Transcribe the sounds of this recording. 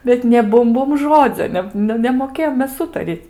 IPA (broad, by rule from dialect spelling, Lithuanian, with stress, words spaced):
bʲɛt nʲeː ˈbʊm ˈbʊm ˈʒoːd͡zʲoː ˈnʲɛ nʊ ˈnʲɛ nʲɛmoːˈkʲeːjoːm ˈmʲɛs ˈuːtɐrʲiːtʲ